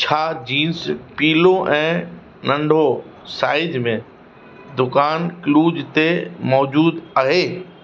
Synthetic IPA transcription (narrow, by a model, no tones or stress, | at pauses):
t͡ɕʰaːd͡ʑiːnspiːloʔɛ̃ː | nɐ̃ɳɖʱo | saːɪd͡ʒmẽ | d̪ʊkaːnkluːd͡ʑt̪emɔːd͡ʑuːd̪aɦeː